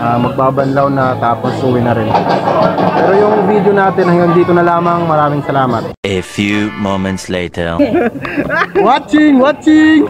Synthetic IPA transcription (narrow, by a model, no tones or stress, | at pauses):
ʔaːmɐɡ̚baːbɐnlawnɐt̪aːposʔuːwɪnɐɾɪn | pɛːɾojʊŋvid̪jonaːt̪ɪnhɐŋɡɐŋd̪iːt̪onɐlaːmɐŋmɐɾaːmɪŋsɐlaːmɐt̪̚ʔefjumõʊmɛ̃nt̪sletʰɛ˞ | wat͡ʃɪŋwat͡ʃɪŋ